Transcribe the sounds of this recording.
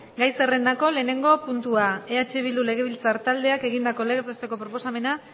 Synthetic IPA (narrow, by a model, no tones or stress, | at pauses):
ɡajsere̞nd̪ako̞le̞ːne̞ŋɡo̞punt̪uaeat͡ʃe̞βild̪ule̞ɣ̞e̞β̞ilt͡saɾt̪ald̪e̞ake̞ɣind̪ako̞leɣɾt̪est̪e̞ko̞pɾo̞po̞same̞na